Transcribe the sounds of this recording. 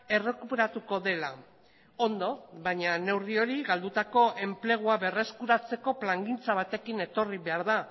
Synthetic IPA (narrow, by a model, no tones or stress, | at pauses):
e̞re̞kupe̞ɾat̪uko̞ðe̞la | o̞nd̪o̞βaɲane̞wrio̞ɾiɣald̪ut̪ako̞ʔe̞mple̞ɣ̞uaβe̞re̞skuɾat͡se̞ko̞plaŋɡint͡saβ̞at̪e̞kine̞t̪o̞riβe̞aɾða